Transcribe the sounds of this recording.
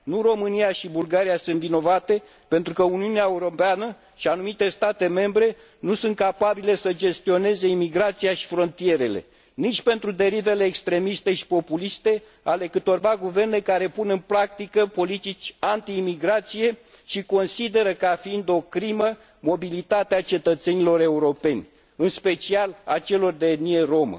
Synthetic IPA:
nuro̞mɨniaʃibulɡaɾijasunt̪vino̞vat̪e̞ | pe̞nt̪ɾukəuniuneaeuɾo̞peanə | ʃianumit̪e̞st̪at̪e̞me̞mbɾe̞ | nusunt̪̚kapabile̞səd͡ʒe̞st̪io̞ne̞ze̞imiɡɾat̪sijaʃi̥fɾo̞nt̪ije̞ɾe̞le̞̰ | nit͡ʃʲpe̞nt̪ɾud̪e̞ɾive̞leːkst̪ɾe̞mist̪e̞ʃi̥po̞pulist̪e̞ | ale̞kɨt̪o̞rvaɡuve̞rne̞kaɾe̞punɨnpɾak̚t̪ikəpo̞lit̪it͡ʃʲant̪iːmiɡɾat̪sije̞ | ʃiko̞nsid̪e̞ɾəkafiind̪o̞kɾimə | mo̞bilit̪at̪eat͡ʃe̞t̪ət̪se̞nilo̞ɾe̞uɾo̞pe̞nʲ | ɨnspe̞t͡ʃiala̰t͡ʃe̞lo̞rd̪eːd̪nije̞ɾo̞mə̰

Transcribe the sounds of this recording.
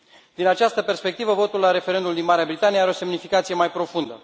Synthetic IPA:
d̪inat͡ʃast̪əperspe̞k̚t̪ivəvo̞t̪ulːaɾe̞fe̞ɾe̞nd̪uld̪inmaɾeabɾit̪anieaɾeo̞se̞mnifikat̪sijemajpɾo̞fund̪ə

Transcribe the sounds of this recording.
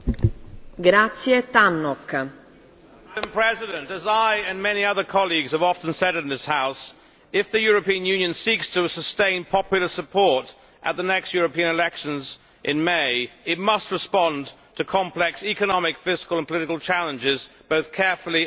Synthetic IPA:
ɡɾat̪sjet̪anːɔk | ɨ̃mpʰɹ̥ɛzɨɾɨ̃ntɨzaɪɨ̃nmɛniʌðə˞kʰɑlˠiɡz̥əvɑfɨ̃n̩sɛɾɨ̃nðɪshaʊs | ɪfðɨjʊɹɨpĩɨ̃njʉ̃njɨ̃nsikstʰəsəstẽɪ̃npʰɑpjl̩ˠə˞səpʰɔɹɾ | ʔə̰t̪̚ðənɛkst̚jʊɹɨpĩɨ̃ñɨlɛkʃɨ̃nz | ʔɨ̃nmeɪɨt̚mʌst̚ɹɨspɑ̃ntʰɨkʰɑ̃mplɛksikɨnɑmɨkfɪskəl̩ˠə̃npʰəlɪɾɨkl̩ˠt͡ʃʰælˠə̃nd͡ʒɪzb̥oʊθkʰɛɹfl̩ˠi

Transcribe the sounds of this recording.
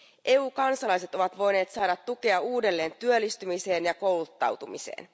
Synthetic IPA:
ʔe̞uːkɑnsɑlɑjse̞t̪o̞ʋɑt̪ʋo̞jne̞ːt̪sɑːdɑt̪ːuke̞ɑuːde̞lːe̞ːnt̪yølːist̪ymise̞ːnjɑko̞wlut̪ːɑ̰wt̪umise̞̰ːn

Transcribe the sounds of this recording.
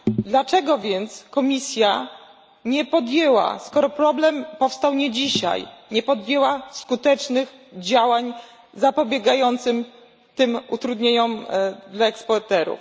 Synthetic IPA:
d̪lat͡ʂɛɡɔvʲjɛnt̪skɔmʲisʲja | ɲɛpɔd̪jɛwa̰skɔɾɔpɾɔblɛmpɔfst̪awɲɛd͡ʑiɕa̰jɲɛpɔd̪jɛwaskut̪ɛt͡ʂnɘx | d͡ʑawaɲ | zapɔbʲjɛɡajɔnt̪sɘm | t̪ɘmut̪ɾud̪ɲeɲɔmd̪laɛkspɔɾt̪ɛɾṵf

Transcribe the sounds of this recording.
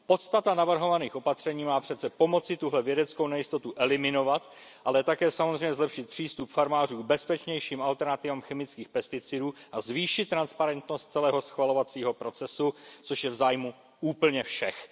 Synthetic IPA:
po̞t̪st̪at̪anavr̩ɦo̞vaniːxʔo̞pat̪r̝̥ɛɲiːmaːpr̝̥ɛt̪t͡sɛpo̞mo̞t͡sɪt̪uɦlɛvjɛdɛt͡skownɛjɪst̪o̞t̪uʔɛlɪmɪno̞vat̪ | ʔalɛt̪akɛːsamozrɛjɲɛzlɛpʃɪt̪̚pr̥iːst̪upfaɾmaːr̝uːɡ̚bɛspɛt͡ʃɲɛjʃiːmalt̪ɛɾnat̪ɪvaːmxɛmɪt͡skiːxpɛst̪ɪt͡sɪduːʔazviːʃɪt̪t̪ːɾanspaɾɛnt̪no̞st̪̚t͡sɛlɛːɦo̞sxvalo̞vat͡siːɦo̞pɾo̞t͡sɛsut͡soʃjɛvzaːjmu | ʔuːpl̩ɲɛfʃɛx

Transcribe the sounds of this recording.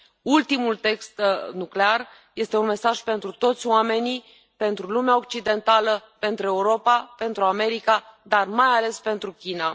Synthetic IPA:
ult̪imult̪e̞kst̪nuklear | je̞st̪e̞unme̞saʒpe̞nt̪ɾut̪o̞t̪sʲoame̞ni | pe̞nt̪ɾulumeao̞k̚t͡ʃid̪e̞nt̪aləpe̞nt̪ɾue̞uɾo̞pape̞nt̪ɾuame̞ɾikad̪armajale̞spe̞nt̪ɾukʲina

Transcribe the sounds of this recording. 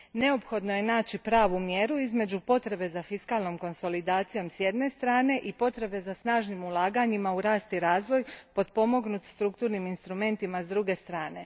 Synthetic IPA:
ne̞o̞pxo̞d̪no̞je̞naːt͡ɕipɾaːʋumje̞ɾuizme̞d͡ʑupo̞t̪ɾe̞be̞zafiskaːlˠno̞mko̞nso̞lid̪aːt̪sijo̞msje̞d̪ne̞st̪ɾaːne̞ʔipo̞t̪ɾe̞be̞zasnaːʒnimulˠaːɡaɲimauɾaːst̪iɾaːzʋo̞jpo̞d̪po̞mo̞ɡnut̪st̪ɾukt̪uːɾniminst̪ɾume̞nt̪imazd̪ɾuɡe̞st̪ɾaːne̞

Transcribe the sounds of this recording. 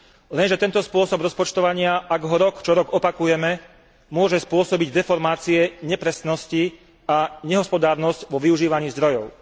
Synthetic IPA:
lɛnʒɛt̪ɛnt̪ɔspʊɔsɔbɾɔspɔt͡ʃt̪ɔʋaɲɪaʔaɡɦɔɾɔkt͡ʃɔɾɔɡɔpakujɛmɛ | mʊɔʒɛspʊɔsɔbiɟd̪ɛfɔɾmaːt͡siɛɲɛpɾɛsnɔsci | aɲɛɦɔspɔd̪aːɾnɔscʋɔʋiuʒiːʋaɲiːzd̪ɾɔjɔʊ

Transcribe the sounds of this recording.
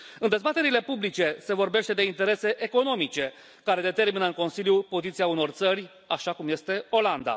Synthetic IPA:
ɨnd̪e̞zbat̪e̞ɾile̞publit͡ʃe̞se̞vo̞rbe̞ʃt̪e̞d̪eint̪eɾe̞se̞ʔeko̞no̞mit͡ʃe̞ | kaɾe̞d̪e̞t̪e̞rminəɨŋko̞nsiljupo̞zit̪siauno̞rt̪sərʲ | aʃakumje̞st̪e̞o̞land̪a̰

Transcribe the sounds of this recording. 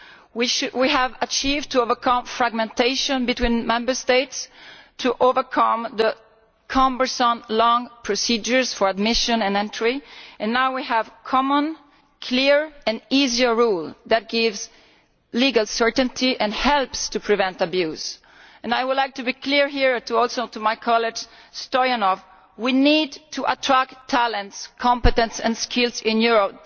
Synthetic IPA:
wiʃwiævət͡ʃivtʰuovəɹkʰʌ̃mfɹaɡ̚mɛ̃nteɪʃɔ̃nbitwĩːnmɛ̃mbə˞steɪtstʰuʔovəɹkʰʌ̃mðə | kʰɑ̃mbə˞sɔ̃nlɔ̃ŋpʰɹɔsid͡ʒə˞zfɔɹad̚mɪʃə̃nɛ̃nɛ̃ntʰɹ̥iɛ̃nːawwiɦævkʰɔmə̃n | kʰliɹɨ̃niziə˞ɹulˠðɨt̚ɡ̥ɪvz | liɡəlˠsɜ˞ʔn̩tʰiʔɨ̃nhɛlˠpstʰupʰɹɨvɛ̃ntəbjʉz̥ | ɛ̃najwʊdˡlaɪk̚tɨbikʰliɹɦiɹtuɔlˠsoʊtumaɪkʰɑlɪd͡ʒ̥stɔənɔf | winidtʰuʔə̰tʰɹ̥æk̚tʰælə̃ntskʰɑ̃mpɨtɛ̃ntsɨ̃nskʰɪlˠzɪ̃njuɹɔp̚

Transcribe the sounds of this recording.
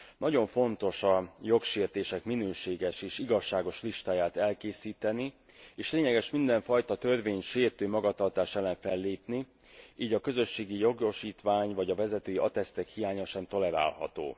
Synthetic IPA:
nɒɟo̞ɱfo̞nt̪o̞ʃɒjo̞kʃeːrt̪eːʃɛkminøːʃeːɡɛʃeːʃiɡɒʃːaːɡo̞ʃliʃt̪aːjaːt̪ɛlkeːsiːt̪ɛni | eːʃleːɲɛɡɛʃmind̪ɛɱfɒjt̪ɒt̪ø̞rveːɲʃeːrt̪øːmɒɡɒt̪ɒrt̪aːʃɛlːɛnfɛlːeːpni | iːɟɒkø̞zø̞ʃːeːɡijo̞ɡo̞ʃiːt̪ʋaːɲvɒɟɒvɛzɛt̪øːjiɒt̪ɛst̪ɛkhijaːɲɒʃɛnt̪o̞lɛɾa̰ːlhɒ̰t̪o̰ː

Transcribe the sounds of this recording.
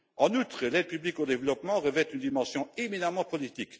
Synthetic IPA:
ɑ̃nut̪χəlɛd̪̚pyblikod̪evlɔpmɑ̃ʁəvɛt̪ynd̪imɑ̃sjɔ̃eminamɑ̃pɔlit̪ik

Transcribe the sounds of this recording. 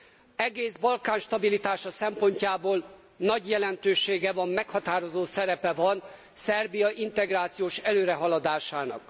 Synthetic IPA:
ɛɡeːzbɒlkaːnʃt̪ɒbilit̪aːʃɒsɛmpo̞ɲcaːboːl | nɒɟjɛlɛnt̪øːʃeːɡɛvɒmːɛkhɒt̪aːɾo̞zoːsɛɾɛpɛvɒn | sɛrbijɒʔint̪ɛɡraːt̪sijoːʃɛløːɾɛɦɒlɒd̪aːʃaːnɒ̰k

